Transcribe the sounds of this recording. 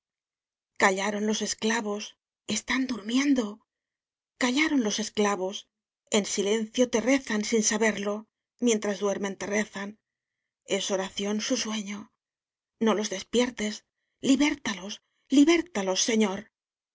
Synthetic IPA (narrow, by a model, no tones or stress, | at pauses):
kaʎaɾo̞nlo̞se̞sklaβo̞s | e̞st̪and̪uɾmje̞nd̪o̞ | kaʎaɾonlo̞se̞sklaβo̞s | e̞nsile̞nθjo̞t̪e̞re̞θansinsaβe̞ɾlo̞ | mje̞nt̪ɾazðwe̞ɾme̞nt̪e̞re̞θan | e̞so̞ɾaθjo̞nsuswe̞ɲo̞ | no̞lo̞zðe̞spje̞ɾt̪e̞s | liβe̞ɾt̪alo̞s | liβe̞ɾt̪alo̞sːe̞ɲo̞ɾ